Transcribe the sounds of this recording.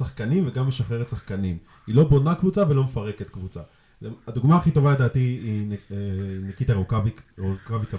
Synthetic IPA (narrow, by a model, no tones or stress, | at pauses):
saχkanimveɡamːeʃaχeʁet̪saχkanim | ilo̞bo̞nakvut͡savelo̞mefaʁeke̞t̪kvut͡sa | lead̪uɡmaːχit̪o̞valed̪aːtiienekit̪aʁokaviokavit͡sa